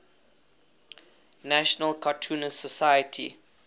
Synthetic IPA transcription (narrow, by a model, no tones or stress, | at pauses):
næʃɔnəlkʰɔtʰuːnəsɔsajətʰḭ